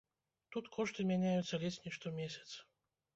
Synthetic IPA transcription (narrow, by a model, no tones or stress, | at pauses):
t̪ut̪kʰɔʂt̪ɨmʲanʲajut̪sːɐlʲet͡ɕʲnʲiʂt̪ɔmʲesʲɐ̥t̪s